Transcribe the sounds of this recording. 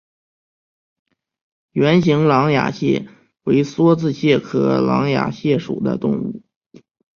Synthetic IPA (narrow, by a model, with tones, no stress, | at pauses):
jɥɛ˧˥nɕi˧˥ŋlɑ˧˥ŋja̰˨˩ɕjɛ̰˥˩ | we˧˥ɪswɔ˥t͡sɹ̩˥˧ɕjɛ˥˩kʰɤ˧˥lɑ̰˧˥ŋja̰˨˩ɕjɛ˥˩ʂṵ˨˩d̪ə̰˦t̪ʊ̰˥˧ŋṵ˥˩